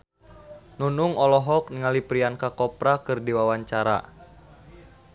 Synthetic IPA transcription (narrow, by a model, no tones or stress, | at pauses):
nunuŋɔlɔɦɔk̚niŋalipɾiankakɔpɾakɨrdiwawaɲt͡ʃaɾa̰